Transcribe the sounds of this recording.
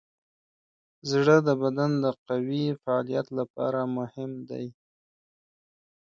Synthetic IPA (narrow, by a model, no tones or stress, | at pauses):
zɽəd̪əbad̪and̪əqawifaɑlijat̪lapɑ̰ɾamʊhɪmd̪a̰j